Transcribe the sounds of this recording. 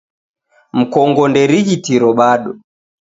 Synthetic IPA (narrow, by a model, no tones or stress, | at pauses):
m̩kɔŋɡɔndɛɾiɣitiɾɔɓaɗɔ